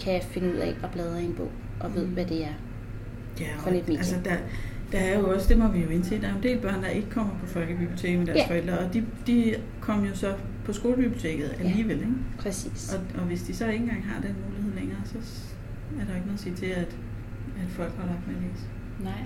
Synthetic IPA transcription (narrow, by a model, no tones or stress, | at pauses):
kʰæfe̝nuð̞̰ˠɛ̰ɒ̽b̥lɛːð̞ˠɐenb̥o̰ʊ̰ | ʔɒ̽ʋe̝ð̞̰ˠʋæd̥e̝æɐ | jæned̥mḛælsəd̥ɑd̥ɑæɐjo̝ɒ̽sd̥e̝mɒ̽ʋijo̝e̝nsḛːd̥ɑ̈nd̥e̝̰ːl̚b̥ɶɐ̰nd̥ɑ̈ʔe̝ɡ̥əkʰɒ̽m̰ɐpʰɒ̽fɒ̽l̰ɡ̥əbib̥liot͡sʰe̝ːɡ̥med̥æɐsfɒ̽el̰d̥ʁɐɒ̽d̥id̥i | kʰɒ̽m̰jo̝sɒ̽ | pʰɒ̽sɡ̥o̝ːləb̥ib̥liot͡sʰe̝̰ːɡ̥ð̞̩ˠæliːʋel̰eɡ̥pʰɛsḭːsɒ̽ɒ̽ʋe̝sd̥isɒ̽e̝nn̩ɡ̥ɑ̈ŋ̰ɦɑ̈d̥enmuːliheð̰ˠleŋɐːsɒ̽ | æɐɾɑjoeɡ̥noðˠse̝̰t͡sʰe̝æd̥ | æd̥fɒ̽l̰ɡ̥ʋɑ̈lɑ̈ɡ̥d̥meleŋ̰s | nɑ̰